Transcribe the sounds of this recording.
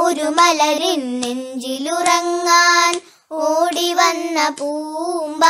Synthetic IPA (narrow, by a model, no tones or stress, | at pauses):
uɾumɐlɐɾinːend͡ʒiluɾɐŋːaːn | oːɽiʋɐnːɐpuːmba